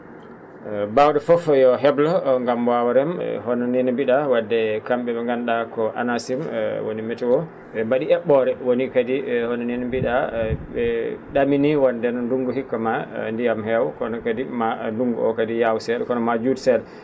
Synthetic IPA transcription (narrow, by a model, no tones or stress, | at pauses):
bawɗɛfɔfjɔɦɛblɔŋɡamwawaɾɛmhɔnɔninmbiɗawadːɛkamɓɛɓɛŋɡanɗakɔʔa̰nasimwo̰nimɛtɛwɔ | ɓɛbaɗiɛɓɔɾɛwonikadihɔnɔninmbiɗaɓɛɗaminiwɔndɛnnduŋɡuhikːamandijamhɛwkɔnɔkadimanduŋɡṵɔ̰kadijawsɛɗkɔnɔmad͡ʒudsɛɗ